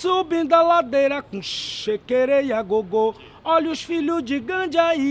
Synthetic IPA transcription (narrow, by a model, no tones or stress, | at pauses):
subĩd̪alad̪ejɾɐkũʃekeɾejaɡoɡo | ɔluʃfiluzd͡ʒiɡɐ̃d͡ʒai